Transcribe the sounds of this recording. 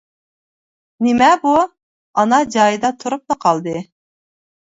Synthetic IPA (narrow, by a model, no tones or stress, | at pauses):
nɪmɛbu | ɑnɑd͡ʒɑːjɨd̪ɑt̪ʰuɾup̚nɨqʰɑlˠd̪ɨ